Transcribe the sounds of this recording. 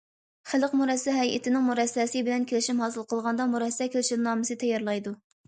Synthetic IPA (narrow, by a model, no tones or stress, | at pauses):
χæləqmuɾɛsːɛɦɛjʔɪ̰t̪ʰɪnɪŋmuɾɛsːɛsɨbɪlɛnkʲʰelɪʃimɦɑːsɨlˠqəlˠʁɑnd̪ɑmuɾɛsːɛkʲʰelʃilnɑːmɨsɨt̪ʰɛjːɑɾlˠɑjd̪u